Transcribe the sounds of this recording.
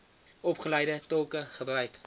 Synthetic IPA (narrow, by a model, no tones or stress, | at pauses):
ɔpχəlɛjdətɔlˠkəχəbrœɥjt